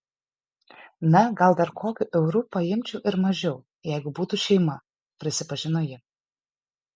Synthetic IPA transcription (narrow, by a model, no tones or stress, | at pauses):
nɐɡɐlˠd̪ɐɾkʰoːkʲʊʔɛʊɾupɐjɪmʲt͡ʃʲɛʊʔɪɾmɐʒʲɛʊ | jɛɪɡʊbuːt̪uʃʲɛɪmɐ | pʲɾʲɪsʲɪpɐʒʲɪnojɪ